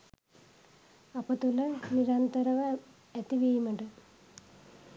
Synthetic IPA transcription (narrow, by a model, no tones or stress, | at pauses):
ɐpːɐt̪ːulːɐniɾant̪ɐɾɐʋɐ | et̪ːiʋejumeɳɖɨ